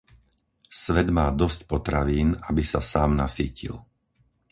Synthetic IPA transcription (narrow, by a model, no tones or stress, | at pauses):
sʋɛd̪maːd̪ɔscpɔt̪ɾaʋiːnabisasaːmnasiːcḭl